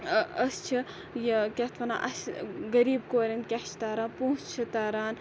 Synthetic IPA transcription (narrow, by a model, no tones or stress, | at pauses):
ɐst͡ʃʰi | jɐkʲɐt̪ʰʋɐna̰ʔɐsɡɐɾiːbkoːɾɐnkʲɐʃʰt̪aːɾaːnput͡ʃt͡ʃʰit̪aːɾaːn